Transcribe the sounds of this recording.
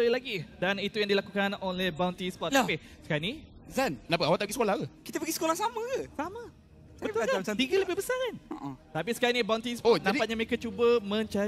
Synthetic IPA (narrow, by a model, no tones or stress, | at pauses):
təilaɡidanit̪ujãŋdilakukanonlɛhbawnt̪isplɔt̪api | sə̥kaanizannaʔpəawat̪apəɡisəkolahkəkit̪əpəɡisə̥kolahsaməɡəsamə | bəulkaamaat̪iɡələbɪhbəsakanoʔə̃t̪apisə̥kaɾanibaw̃nt̪ispodamdipat̪̚ɲamekat͡ʃubəmə̃ɲt͡ʃa